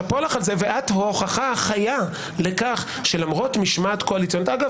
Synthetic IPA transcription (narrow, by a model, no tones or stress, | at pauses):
polaχalze̞veʔatho̞χaχaaχaja | le̞kaχ | ʃe̞lamʁo̞tmiʃmaːtko̞alit͡sjonotaɡav